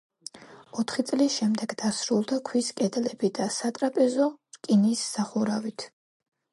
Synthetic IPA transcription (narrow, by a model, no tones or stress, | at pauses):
ɔt̪ʰχit̪sʼlisʃɛmd̪ɛɡd̪asɾulˠd̪akʰwiskʼɛd̪lɛbid̪asat̪ʼɾapʼɛzɔɾkʼinisːaχuɾavit̪ʰ